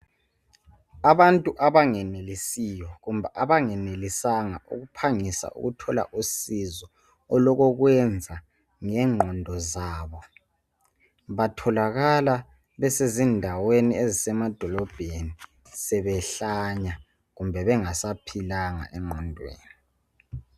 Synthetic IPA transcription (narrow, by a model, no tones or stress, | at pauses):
aβantʼuʔaβaŋɛnelisijɔɣumbʱaʔaβaŋɛnelisaŋa̰ʔṵɣupʰaŋisa̰ʔṵɣutʰɔla̰ʔusizɔ | ɔlɔɣɔɣwɛnd͡zʱa | ŋɛŋ͡ǃʱɔndʱɔzaːβɔ | βatʰɔlaɣala | βɛsezindʱaweniezisɛmad̥ʱɔlɔb̥ʱeni | sɛβɛɬaɲa | ɣumbʱɛβɛŋasapʰilaŋa̰ʔɛŋ͡ǃʱɔndʱwḛːni